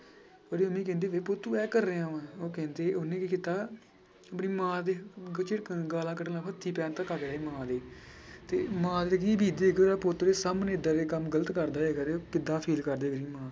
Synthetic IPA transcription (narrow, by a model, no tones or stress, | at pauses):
pəɾiʊmẽːk̬ɛ̃ːnd̪eːʋeːpʊt̪ːuːɛːkəɾːeãːʋãːoːkɛ̃ːnd̪eːʊnẽːkɪkɪt̪aː | əpniːmãːd̪eːt͡ʃeʈɡaːlãːkəʈlãːpʰət̪ʰːiːpɛːnt̪ãːkəkɾaeːmãːd̪eːt̪eːmãːd̪eːkibʱiːd̪eːkːaːpʊt̪ɾeːsaːmneːɪd̪aːɾeːkəmɡələt̪kəɾd̪aːekəɾekɪd̪ãːpʰeːlkəɾd̪eːɡəɾĩːmãː